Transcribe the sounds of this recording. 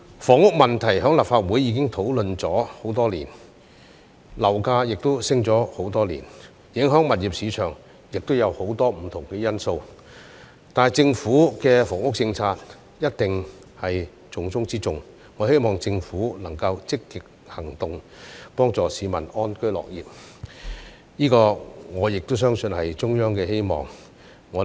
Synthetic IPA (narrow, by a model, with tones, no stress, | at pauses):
fɔː˨˩ŋʊ˥k̚mɐ˨nt̪ʰɐ˨˩jɦœː˨˥ŋlaː˨˩p̚faː˧t̚wu˨˥jːiː˧kɪ˥ŋt̪ʰo˨˥wlɵ˨˧nt͡sɔː˨˥ho˨˥wt̪ɔː˥liː˨˩n | lɐ˨˩wkaː˧jɪ˨k̚t̪o˥wsɪ˥ŋt͡sɔː˨˥ho˨˥wt̪ɔː˥lḭː˨˩n | jɪ˨˧˥ŋɦœː˨˥ŋmɐ˨t̚jiː˨p̚siː˨˧t͡ʃʰœː˨˩ŋ | jɪ˨k̚t̪o˥wjɐ˨˧who˨˥wt̪ɔː˥m̩˨˩t̪ʰʊ˨˩ŋkɛː˧jɐ˥nso˧w | t̪aː˨n˨jt͡sɪ˧ŋfuː˨˥kɛː˧fɔː˨˩ŋʊ˥k̚t͡sɪ˧ŋt͡sʰaː˧t̚ | jɐ˥t̚t̪ɪ˨ŋ | hɐ˨j | t͡sʊ˨ŋt͡sʊ˥ŋt͡siː˥t͡sʊ˨ŋː | ɔː˨˧he˥jmɔː˨˩ŋt͡sɪ˧ŋfuː˨˥lɐ˨˩ŋkɐ˧wt͡sɪ˥kːɪ˨k̚ | hɐ˨˩ŋt̪ʊ˨ŋ | pɔː˥ŋt͡sɔː˨siː˨˧mɐ˨˩nɔː˥nkɵ˥ɥlɔ̰ː˨k̚jiː˨p̚ | jiː˥kɔː˧ŋɔː˨˧jɪ˨k̚t̪ʊ˥wsœː˥ŋsɵ˧nhɐ˨jt͡sʊ˥ŋjœː˥ŋkɛː˧he˥jmɔ̰ː˨ŋː | ɔː˨˧˥